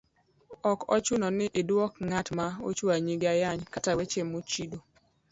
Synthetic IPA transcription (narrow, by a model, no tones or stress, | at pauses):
ɔkɔt͡ʃunɔnɪʔɪdwɔkŋatmao̰t͡ʃuaɲiɡajaɲkatawet͡ʃemot͡ʃido